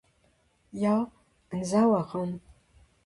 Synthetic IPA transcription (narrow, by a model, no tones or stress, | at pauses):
jaw | nzaːwɐʁɐm